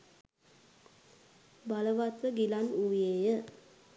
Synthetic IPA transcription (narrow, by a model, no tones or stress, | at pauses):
baləʋat̪ʋəɡilanuʋjejə